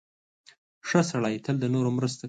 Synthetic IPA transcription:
ʂəsaɽɑjt̪ʰəld̪ənoɾomɾəst̪o

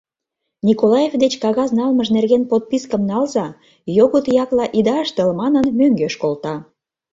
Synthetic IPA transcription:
nʲikolɑjevd̪et͡ɕkɑɣɑznɑlməʒnerɣenpot̪̚piskə̆mnɑlzɑ | joɣot̪jɑklɑʔid̪ɑəʃt̪əlmɑnənmøŋɡeʃkolt̪ɑ

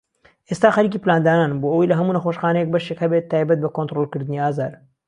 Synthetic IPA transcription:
ʔest̪aːxɐɾiːciːplaːnd̪aːnaːnboʔəwijlɐɦɐmuːnɐxoːʃxaːnɛjɛk̚bɐʃekhɐbet̪ʰːaːjbɐt̪̚bɐkont̪ɾolˠkɨɾd̪ɨniaːzaːd̪

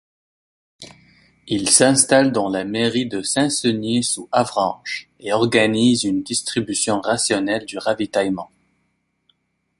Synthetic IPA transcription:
ilsɛ̃st̪ald̪ɑ̃lameʁid̪əsɛ̃sənisuavʁɑ̃ʒ | eɔʁɡanizynd̪ist̪χibysjɔ̃ʁasjɔnɛld̪yʁavit̪ajmɑ̃

